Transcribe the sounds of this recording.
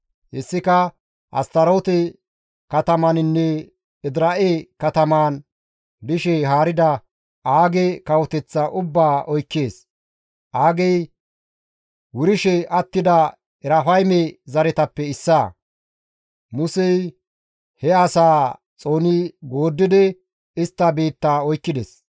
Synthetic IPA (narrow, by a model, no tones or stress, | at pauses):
hɛsːɪkɐ | ʔɐ̰st̪ɐɾo̞ːt̪ɛ | kɐt̪ɐmɐnɪnːɛ | ɪd̪ɾɐʔekɐt̪ɐmaːn | d̪ɪʃɛɦaːɾɪd̪ɐ | ʔaːɡɛkɐwɔt̪ɛt͡sːɐʔʊbːaːʔɔjkːe̞ːs | ʔaːɡɛj | wʊɾɪʃɛʔɐt̪ːɪd̪ɐ | ɛɾafɐjmɛzɐɾɛt̪ɐpːɛɪsːaː | mʊsɛj | hɛɐsaː | t͡sʼo̞ːnɪɡo̞ːd̪ːɪd̪ɛ | ɪst̪ːɐbeːt̪ːaːɔjkːɪd̪ɛs